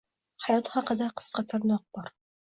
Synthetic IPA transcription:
hajɒt̪χɑqɑd̪aqʰə̥sqɑt̪ʰaɾnɒq̚bɒɾ

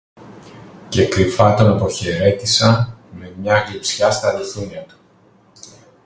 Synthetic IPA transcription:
ce̞kɾifɐt̪o̞nɐpo̞çe̞ɾe̞t̪isɐme̞mɲɐɣepsçɐst̪ɐliθuɲɐt̪u̥

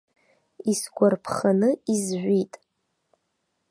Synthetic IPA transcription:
isɡʷarpʰχanɨizʒᶣʷitʼ

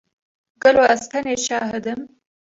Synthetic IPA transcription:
ɡəloast̪aneʃɑːɦɪd̪əm

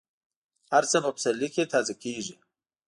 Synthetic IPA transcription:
haɾt͡səmʊpsaɾliket̪ʰaːzakeʐi

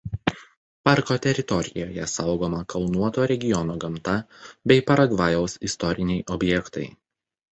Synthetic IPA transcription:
pɑɾkot̪ʲɛɾʲɪt̪ɔɾʲɪjo̰ːjɛsɐʊɡoːmɐkʰɐlˠnuɔt̪oːɾʲɛɡʲɪjɔnoːɡɐmˑt̪ɐbʲɛɪpɐɾɐɡʋɑjɛʊsɪst̪ɔɾʲɪnʲɛɪʔɔbʲjɛkt̪ɐɪ

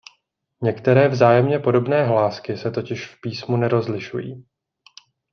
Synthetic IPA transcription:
ɲɛkt̪ɛɾɛːvzaːjɛmɲɛpo̞do̞bnɛːɦlaːskɪsɛt̪o̞cɪʃfpiːsmunɛɾo̞zlɪʃṵjḭː

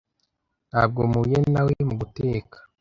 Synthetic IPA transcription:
naːb̚ɡomujenawemuɡuteːkḁ

